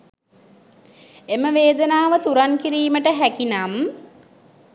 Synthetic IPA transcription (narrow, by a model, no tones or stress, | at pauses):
eməʋeːd̪ənaːʋət̪uɾankiɾiːməʈəɦækinam